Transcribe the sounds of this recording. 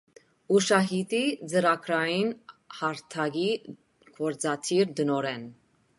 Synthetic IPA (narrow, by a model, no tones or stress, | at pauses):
uʃɑɦit̪id͡zəɾɑkʰɾɑjinhɑɾt̪ʰɑɡi | kʰɔɾd͡zɑt̪ʰiɾd̪ənɔɾɛn